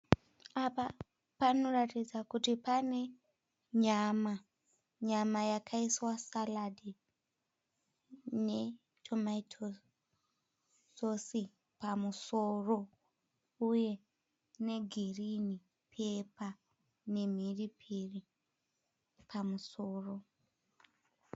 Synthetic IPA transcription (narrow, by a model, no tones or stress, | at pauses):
apa | pano̞ratid͡zakutipane̞ | ɲama | ɲamajakʰaiswasaladi | ne̞ | tʰomaitʰo | sosi | pamusoro̞ | uje̞ | ne̞ɡʱirini | pʰe̞pa | ne̞m̤iripʰiri | pʰamuso̞ːro̞